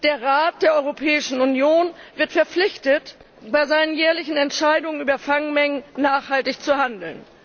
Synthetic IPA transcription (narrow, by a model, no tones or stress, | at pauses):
d̥eːɐʁaːt̚d̥eːɐʔɔʏʁopʰɛːɪʃn̩ʊnjoːnvɪɐtfɛɐp͡flɪçtət | b̥aɪzaɪnənjɛːɐlɪçn̩ɛntʃaɪdʊŋənʔyːbɐfaŋmɛŋənːaːχhaltɪçt͡suɦandl̩n